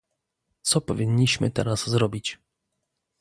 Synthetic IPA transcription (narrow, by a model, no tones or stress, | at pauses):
t̪sɔpɔvʲiɲːiɕmɘt̪ɛɾazzɾɔbʲit͡ɕ